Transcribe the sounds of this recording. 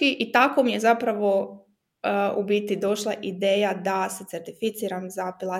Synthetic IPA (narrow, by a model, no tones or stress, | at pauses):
iʔit̪ako̞mije̞zapɾaʋo̞ | ubit̪id̪o̞ʃlˠaʔid̪e̞ːjad̪aset̪seɾt̪ifit̪siːɾamzapilˠa